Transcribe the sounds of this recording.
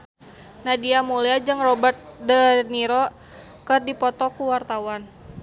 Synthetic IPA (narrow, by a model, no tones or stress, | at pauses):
nadiamuliad͡ʒɨŋrɔbərt̪̚dəniɾɔ | kɨrdipɔt̪ɔkuwart̪awan